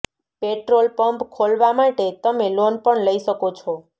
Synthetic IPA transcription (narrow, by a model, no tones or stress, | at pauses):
peʈɾolpəmpkʰolʋamaʈet̪əmelonpəɳləiʃəkot͡ʃʰɔ